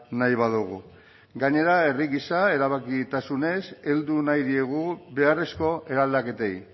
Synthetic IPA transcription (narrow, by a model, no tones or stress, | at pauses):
najβaðuɣu | ɡaɲe̞ɾaeriɣisae̞ɾaβakit̪asune̞se̞ld̪unajðie̞ɣuβe̞are̞sko̞e̞ɾald̪ake̞t̪e̞j